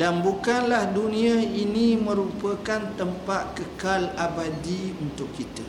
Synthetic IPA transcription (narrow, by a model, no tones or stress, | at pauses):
danbukanlahdunĩãinĩmə̃ɾupəkant̪əmpat̪̚kəkalabadiunt̪ʊkːit̪ə